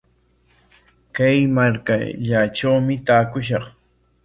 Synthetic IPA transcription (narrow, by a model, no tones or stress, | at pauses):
kajmaɾka̰ʎaʈ͡ʂawmɪt̪aːkʊʃ̬ɑχ